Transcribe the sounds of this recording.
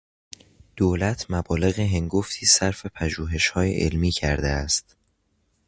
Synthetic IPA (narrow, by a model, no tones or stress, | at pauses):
d̪̥oːlæt̪ʰmæbɒːle̞ɣeɦe̞ŋɡoft̪ʰiːsæɾfe̞pʰæʒuːɦe̞ʃhɒːjḛʔḛlmiːcʰæɾd̪eæst̪